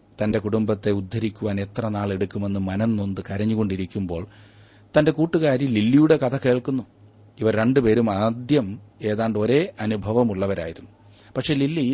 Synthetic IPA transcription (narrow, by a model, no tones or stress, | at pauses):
t̪ɐnde̞kuɽumbɐt̪ːe̞ud̪ʱːɐɾikʲːuʋaːne̞t̪rɐnaːɭe̞ɽukʲːume̞nːɨmɐnɐnːo̞nd̪ɨkɐɾɐɲːuɣo̞ɳɖiɾikʲːumbo̞ːɭ | t̪ɐnde̞kuːʈːuɣaːɾjililːijuɽe̞kɐt̪ʰɐke̞ːɭkunːu | iʋɐɾe̞ɳɖɨpe̞ːɾumaːd̪jɐme̞ːðaːɳɖoɾe̞ːʔɐnubʱɐʋɐmuɭːɐʋɐɾa̰ːjiɾunːu | pɐkʂe̞ːlilːi